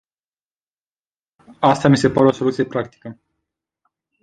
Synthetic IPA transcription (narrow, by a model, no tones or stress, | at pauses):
ast̪amise̞paɾeo̞so̞lut̪sijepɾakt̪i̥kə